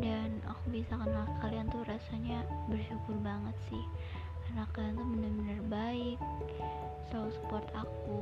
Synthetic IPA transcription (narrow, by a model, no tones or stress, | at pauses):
dana̰kubisakanlakaliant̪uɾasaɲabərʃukʊrbaŋət̪̚sɪh | karnakaliant̪umənarbənarbaɪk̚ | sasə̥pɔrt̪aku